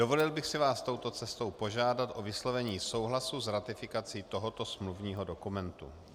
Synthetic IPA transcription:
dovo̞lɪlbɪxsɪvaːst̪o̞wt̪o̞t͡sɛst̪o̞wpo̞ʒaːdat̪ʔo̞vɪslo̞vɛɲiːso̞wɦlasuzɾat̪ɪfɪkat͡siːt̪oɦot̪o̞smluvɲiːɦo̞do̞kumɛnt̪ṵ

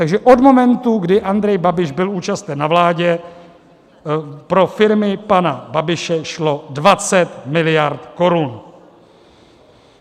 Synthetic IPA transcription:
t̪aɡʒɛʔo̞d̪mo̞mɛnt̪uɡdɪʔand̪ɾɛjbabɪʒbɪluːt͡ʃast̪ɛnːavlaːɟɛ | pɾo̞fɪɾmɪpanababɪʃɛʃlo̞dvat͡sɛt̪mɪlɪjaɾt̪ko̞ɾun

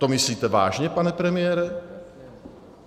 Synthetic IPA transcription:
t̪omɪsliːt̪ɛva̰ːʒɲɛpanɛpɾɛmɪjɛːɾɛ

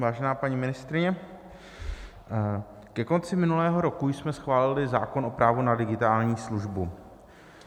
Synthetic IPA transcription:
vaːʒɛnaːpaɲiːmɪnɪst̪ɾɪɲɛ | kɛko̞nt͡sɪmɪnulɛːɦo̞ɾo̞kujsmɛsxvaːlɪlɪzaːko̞nʔo̞pɾaːvunadɪɡɪt̪aːlɲiːsluʒbu

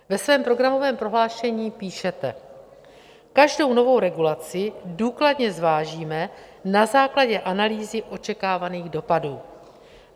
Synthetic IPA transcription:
vɛsvɛːmpɾo̞ɡɾamo̞vɛːmpɾo̞ɦlaːʃɛɲiːpiːʃɛt̪ɛ̰ | kaʒdo̞wno̞vo̞wɾɛɡulat͡sɪduːkladɲɛzvaːʒiːmɛ | nazaːklaɟɛʔanaliːzɪʔo̞t͡ʃɛkaːvaniːɣdo̞paduː

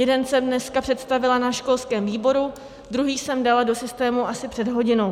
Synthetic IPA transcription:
jɛdɛnsɛmdnɛskapr̥ɛt̪st̪avɪlanaʃko̞lskɛːmviːbo̞ɾu | dɾuɦiːsɛmdalado̞sɪst̪ɛːmuʔasɪpr̝̥ɛdɦo̞ɟɪno̞w

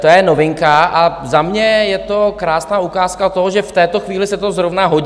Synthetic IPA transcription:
t̪ojɛnovɪŋkaʔazamɲɛjɛt̪okɾaːsnaːukaːskat̪oɦoʒɛft̪ɛːt̪o̞xviːlɪsɛt̪ozɾovnaɦo̞

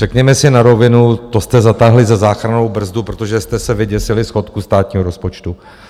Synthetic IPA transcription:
r̥ɛkɲɛmɛsɪnaɾo̞vɪnut̪o̞st̪ɛzat̪aɦlɪzɛzaːxɾano̞wbr̩zd̪upɾot̪oʒɛst̪ɛsɛvɪɟɛsɪlɪsxo̞t̪kust̪aːt̪ɲiːɦoɾo̞spot͡ʃt̪u

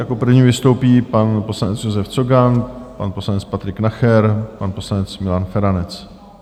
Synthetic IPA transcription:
jakopr̩vɲiːvɪst̪owpiːpanposlanɛt͡sjozɛft͡soɡanpanposlanɛt͡spat̪ɾɪknaxɛɾpanposlanɛt͡smɪlanfɛɾanɛt͡s

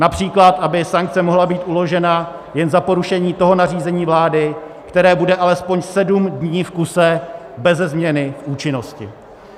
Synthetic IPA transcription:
napr̝̥iːklat̪ʔabɪsaŋk̚t͡sɛmo̞ɦlabiːt̪ʔulo̞ʒɛna | jɛnzapo̞ɾuʃɛɲiːt̪o̞ɦo̞nariːzɛɲiːvlaːdɪ | kt̪ɛɾɛːbudɛʔalɛspo̞ɲsɛdumdɲiːfkusɛ | bɛzɛzmɲɛnɪʔuːt͡ʃɪno̞scɪ̰

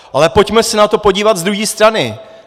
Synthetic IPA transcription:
ʔalɛpo̞cmɛsɛnat̪o̞po̞ɟiːvat̪zd̪ɾuɦiːst̪ɾanɪ

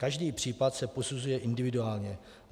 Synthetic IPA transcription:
kaʒdiːpr̝̥iːpat̪sɛpo̞suzujɛʔɪndɪvɪduaːlɲɛ

